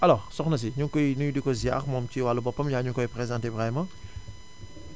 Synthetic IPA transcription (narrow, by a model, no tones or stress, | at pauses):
ʔɐlɔːʁsɔxnɐs̬iɲuŋkɔjnujudikɔzia̰ːχmɔːmt͡ʃiwaːlːubɔpːɐmjaːɲuŋkɔjpɾezãːntebʁɛmã